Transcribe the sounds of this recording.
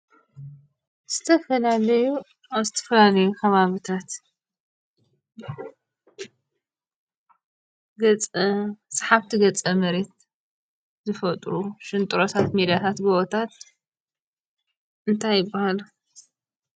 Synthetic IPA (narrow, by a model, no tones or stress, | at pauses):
z̥ɨt̪ʰɐfɐlalɐju | aβzɨt̪ʰɐ̥fɐlalɐjukʰɐβaβit̪ʰat̪ | ɡɐt͡sʼsʼaħaβt̪ʰiɡɐt͡sʼɐmɐɾe̞t̪̚ | zɨfɐt̪ʼɾuʃɨnt̪ʼɾot̪ʰat̪med̪ijat̪ʰat̪ɡoʔot̪ʰat̪ | ʔɨnt̪ʰajɪbːahal